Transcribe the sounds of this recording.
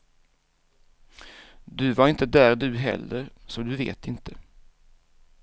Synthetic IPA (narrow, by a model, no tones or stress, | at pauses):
d̪ɵvaɾɪnt̪əd̪æːɾd̪ɵɦɛ̰lːəɾsɔd̪ɵvḛːt̪ɪnt̪ʰə